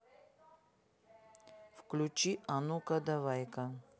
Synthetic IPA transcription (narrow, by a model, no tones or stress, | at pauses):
fklʲut͡ʃianukɐd̪avajka